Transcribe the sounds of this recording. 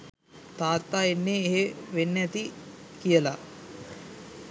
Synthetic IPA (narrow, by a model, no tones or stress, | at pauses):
t̪aːt̪ːaːenːeːɦeʋenːeɐt̪ikijɐla